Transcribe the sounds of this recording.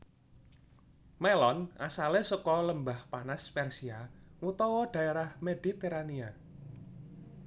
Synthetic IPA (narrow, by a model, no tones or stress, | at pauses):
melɔnasalesəkɔləmbahpanaspɛrsiaŋut̪ɔwɔɖ̥a̤eɾahmed̥i̤t̪eɾania